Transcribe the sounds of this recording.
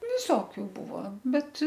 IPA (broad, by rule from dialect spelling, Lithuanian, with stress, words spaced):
ʋʲɪˈsoːkʲʊ ˈbʊʋoː ˈbʲɛt